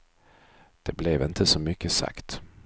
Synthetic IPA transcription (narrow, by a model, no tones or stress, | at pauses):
d̪̥ɛblɛvɪnt̪ʰəsɔmʏkːəsa̰kt̪